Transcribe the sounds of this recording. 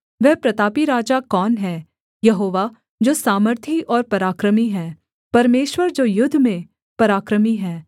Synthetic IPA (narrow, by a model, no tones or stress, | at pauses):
ʋɛɦpɾɐt̪aːpiɾaːd͡ʒakɔːnɦɛː | jɐɦoːʋa | d͡ʒoːsaːməɾt̪ʰiʔɔːɾpɐɾaːkɾəmiɦɛː | pɐɾmeːʃwəɾd͡ʒoːjʊd̪ʱːmẽ | pɐɾaːkɾəmiɦɛː